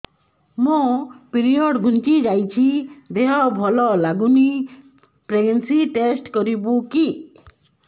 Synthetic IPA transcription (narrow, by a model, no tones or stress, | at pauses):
mõpiɾiɔɖɡʱunt͡ʃid͡ʒajt͡ʃʰid̪eɦɔbʱɔlɔlaɡuni | pɾeɡensiʈesʈkɔɾibuki